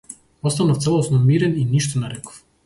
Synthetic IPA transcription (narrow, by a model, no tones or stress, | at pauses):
ɔst̪anɔft̪sɛlˠɔsnɔmiɾɛniniʃt̪ɔnɛɾɛkɔ̥f